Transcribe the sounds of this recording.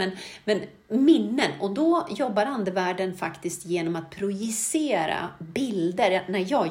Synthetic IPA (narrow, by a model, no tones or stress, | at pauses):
ɛnmɛn | mɪnːənɔd̪ɔjɔbːaɾand̪əvæːɖənfakt̪ɪskt̪jeːnɔmat̪̚pʰɾʊjɪseːɾa̰bɪld̪əɾnæjɑː